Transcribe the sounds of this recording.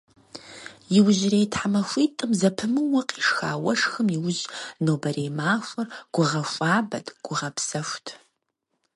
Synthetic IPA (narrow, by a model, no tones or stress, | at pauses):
jɪwʑɪreːtħamɐxʷiːtʼɨmzɐpʰɨmɨwɐqʼiːʂxa̰ːwɐʂxɨmiwʊʑnoːbɐɾeːmaːxʷɐrɡ̥ʷʊʁɐɕʷʼaːbɐdɡ̥ʷʊʁɐpsɐʃʷtʰ